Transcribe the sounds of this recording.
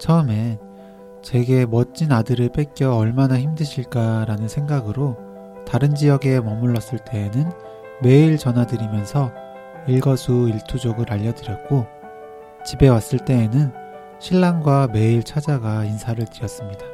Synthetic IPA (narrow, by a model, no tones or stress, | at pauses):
t͡ɕʰʌɯme̞ | t͡ɕe̞ɡe̞mʌt͡ɕ͈inadɯɾɯɭp͈ek̚k͈jʌːɭmanaçimdɯɕʰiɭk͈aɾanɯnsʰe̞ŋɡaɡɯɾo | taɾɯnd͡ʑijʌɡe̞mʌmuɭːʌs͈ɯɭt͈e̞ːnɯn | me̞iɭt͡ɕʌnɦwadɯɾimjʌnsʰʌ | iɭɡʌsʰuiɭtʰud͡ʑoɡɯɾaʎːʌdɯɾjʌt̚k͈o | t͡ɕibe̞was͈ɯɭt͈e̞ːnɯn | ɕʰiɭːaŋɡwame̞iɭt͡ɕʰad͡ʑaɡainsʰaɾɯɭt͡ɕiɾjʌs͈ɯmɲida